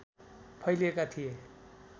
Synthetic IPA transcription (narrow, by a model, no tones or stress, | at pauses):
pʰʌjlekat̪ʰije